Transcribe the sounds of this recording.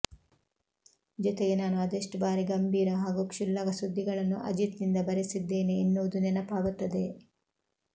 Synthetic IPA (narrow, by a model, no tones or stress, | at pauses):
d͡ʒɔt̪eɡenaːnuɐd̪eʂʈbaːɾiɡɐmbʱiːɾɐɦaːɡukʂilːɐɡɐsud̪ʱːiɡɐɭɐnːuʔɐ̰d͡ʒit̪nind̪ɐbɐɾesid̪ːe̞ːne̞ːnːuʋɐd̪unɛnɐpaːɡut̪ːɐd̪e̞